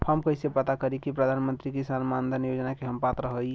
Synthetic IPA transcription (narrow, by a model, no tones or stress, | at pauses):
pʰamkəɦsepət̪akəɾikipɾəd̪ʱanmə̃nt̪ɾikisanmand̪ʱənijod͡ʒənakeɦəmpat̪ɾəɦəl